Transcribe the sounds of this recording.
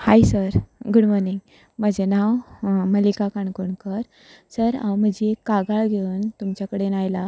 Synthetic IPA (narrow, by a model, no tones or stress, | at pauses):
hajsəɾɡuɽmɔɾniŋɡ | məd͡ʑenawməlikakaɳkoɳkəɾ | səɾã̰wm̤əd͡ʑiekːaɡaɭɡʱeuːnt̪umt͡ɕakəɽenajla